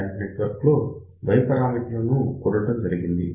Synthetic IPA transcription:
ɐɳʈineʈʋɐɾklo | bʱɐjɐpɐɾaːmit̪ilɐnukuɾɐʈɐmd͡ʒɐɾiɡind̪i

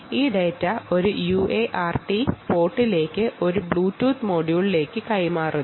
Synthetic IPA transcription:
iːɖɐjɐtːɐo̞ɾujuːʔeːʔaːrʈipo̞ːʈːile̞ːkːɨʔo̞ɾubɭuːtːuːt̪moːɽjuːɭile̞ːkːɨkɐjmaːru

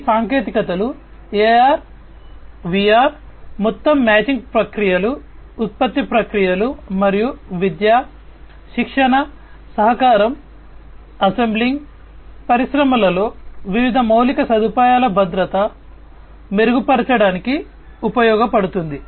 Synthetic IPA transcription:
saːŋke̞ːt̪ikɐt̪ɐlu | eːjaːɾ | ʋijaːɾmɔt̪ːɐmːaːt͡ʃiŋɡpɾɐkɾijɐluː | t̪̚pɐt̪ːipɾɐkɾijɐlumɐɾijuʋid̪jaː | ʃikʂɐɳɐ | sɐɦɐkaːɾɐm | ɐsembliŋɡ | pɐɾiʃɾɐmɐlɐlo̞ːʋiʋid̪ʱɐmɐwlikɐsɐd̪ʱupaːjaːlɐbʱɐd̪ɾɐt̪ɐ | meɾuɡupɐɾɐt͡ʃɐɽaːniki | upɐjɔːɡɐpɐɽut̪und̪i

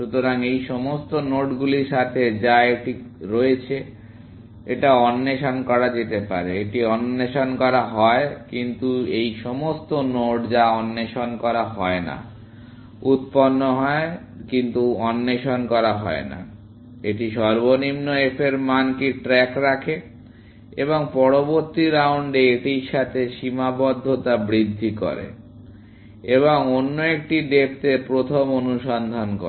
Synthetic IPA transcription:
ʃut̪oɾaŋejʃɔmost̪onoʈɡuliɾʃat̪ʰed͡ʑaeʈiɾoet͡ɕʰe | eʈaɔnːeʃonkɔɾad͡ʑet̪epa̰ɾeeʈiɔnːeʃonkɔɾaɦɔekint̪uejʃɔmost̪onoɖd͡ʑaɔnːeʃonkɔɾaɦɔena̰ | ut̪ponːoɦɔe | kint̪uɔnːeʃonkɔɾaɦɔ̰ena̰ | eʈiʃɔɾbonimnoefʰeɾmankiʈɾɛkɾakʰe | eboŋpɔɾoboɾt̪iɾauɳɖeeʈiɾʃat̪ʰeʃimabɔd̪ʱːot̪abɾid̪ʱːiko̰ɾḛ | eβoŋonːoek̚ʈiɖep̚t̪epɾot̪ʰomonuʃɔnd̪ʱanko̰

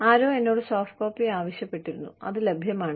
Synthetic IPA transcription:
aːɾo̞ːe̞nːo̞ːɽɨsoːfʈko̞ːpːiaːʋɐɕjɐpːe̞ʈːiɾunːṵɐ̰ðɨle̞bʱjɐmaːɳɨ

